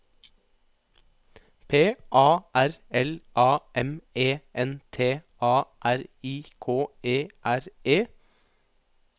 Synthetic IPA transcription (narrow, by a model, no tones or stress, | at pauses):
pʰeːʔɑːʔæɾɛlʔɑːʔɛmeːʔɛnt̪ʰeːʔɑːʔæɾiːkʰoːeːʔæɾeː